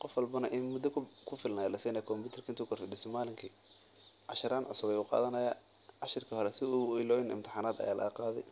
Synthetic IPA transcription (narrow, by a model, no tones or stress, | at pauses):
qɔfwɐlbɐnɐʔɪnmʊd̪ɔkʰkʰʊfɪlnajalɐsiːnɐjkʰɔmbuːt̪ʰɛrkʰɐɪnt̪ikʰɔrfɪɗɪst̪ɛmaːlɪŋkʰiː | ʕɑʃɪɾaːnʕʊ̰sʊβɛjʊːqɑ̰ːðɐnɐjaː | ʕɑʃɪrkʰihɔɾɛsɪuɪlɔːjɪnɪ̰mt̪ʰɪ̥ħaːnaːd̪ɐ̰jaːlɐ̰ɣɐqɑːðɛ̰j